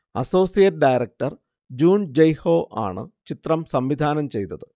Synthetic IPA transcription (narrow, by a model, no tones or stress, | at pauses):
ɐ̰so̞ːsijɐtɨɖajɾɐk̚ʈɐr | d͡ʑuːnd͡ʑejho̞ːʔa̰ːɳɨ̰t͡ɕit̪rɐmsɐmʋid̪ʱaːnɐmt͡ɕe̞jt̪ːɐðɨ